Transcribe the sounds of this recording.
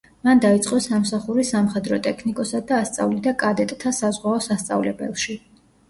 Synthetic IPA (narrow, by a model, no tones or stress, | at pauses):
mand̪ait̪sʼqʼɔsamsaχuɾisamχɛd̪ɾɔt̪ʼɛkʰnikʼɔsadd̪aːst̪sʼa̰vlid̪akʼad̪ɛt̪ʼt̪ʰasazʁwaɔsast̪sʼa̰vlɛ̰bɛ̰lˠʃi